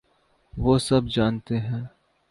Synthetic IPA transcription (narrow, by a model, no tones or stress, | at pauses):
ʋoːsɐbd͡ʒaːnt̪eɦɛ̃ː